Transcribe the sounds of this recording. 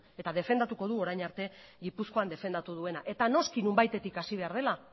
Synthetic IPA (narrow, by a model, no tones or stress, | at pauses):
e̞t̪aðe̞fe̞nd̪at̪uko̞ðuo̞ɾajɲaɾt̪e̞ɣipusko̞and̪e̞fe̞nd̪at̪uðue̞naʔe̞t̪ano̞skinumbajt̪e̞t̪ikasiβe̞aɾð̞e̞la